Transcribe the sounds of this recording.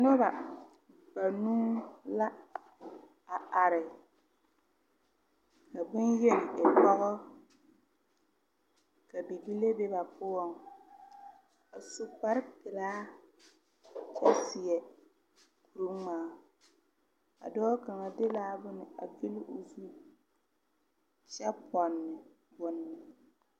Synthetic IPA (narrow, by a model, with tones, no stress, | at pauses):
nɔ˦ba˨ | ba˨nuː˦la˦ | a˨a˨ɾɪ˨ | ka˨bʊ˦njɛ˦nɪ˨e˨pɔ˦ɣɔ˦ | ka˨bi˨bi˦le˦be˦ba˨pʊ˦ɔ˦ŋ | a˨su˦k͡pa˦ɾkɪ˨laː˦ | t͡ʃɛ˦sɪ˨jɛ˨ | ku˨ɾu˦ŋmaː˨˦ | a̰˨dɔː˦ka˨ŋa˨dɪ˦laː˦bʊ˦nɪ˨a̰˨ɡi˦lɪ˦ʔʊ˨zu˦ | t͡ʃɛ˦pʰɔ˨nːɪ˨ | bʊ˦nːɪ˨